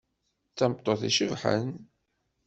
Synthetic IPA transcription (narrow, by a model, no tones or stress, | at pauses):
t͡sːæmt̪ˤːoθiʃəvħə̰n